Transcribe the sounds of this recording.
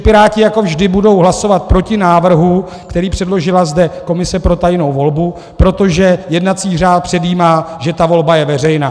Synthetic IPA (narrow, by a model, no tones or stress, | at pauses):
pɪɾaːcɪjako̞vʒdɪbudo̞wɦlaso̞vat̪̚pɾo̞cɪnaːvr̩ɦu | kt̪ɛɾiːpr̥ɛdlo̞ʒɪlazdɛko̞mɪsɛpɾo̞t̪ajno̞wvo̞lbu | pɾo̞t̪o̞ʒɛjɛdnat̪t͡siːr̝aːt̪̚pr̝̥ɛdiːmaːʒɛt̪avo̞lbajɛvɛr̝ɛjnaː